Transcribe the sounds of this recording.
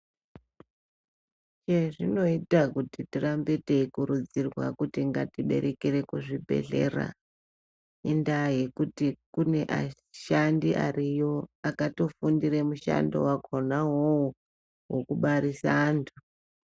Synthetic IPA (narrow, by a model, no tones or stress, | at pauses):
t͡ʃeʐino̞itakutitirambete̞ikuɾud͡zirwa̰kutiŋɡa̰tiɓe̞̰ɾe̞kiɾe̞kuʐibʱe̞̰ɮe̞ra̰ | indaje̞kutikune̞ʔa̰ | ʃandiʔa̰rijo̞akato̞fundiremuʃa̰ndo̞̰wakʰonawou | wokuɓaɾisaːntʰu̥